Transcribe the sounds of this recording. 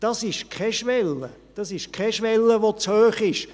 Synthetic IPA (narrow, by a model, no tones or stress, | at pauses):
d̥ɑsɪʃkʰɛʃʋɛlːə | d̥ɑsɪʃkʰɛʃʋɛlːəʋot͡shøːχɪʃ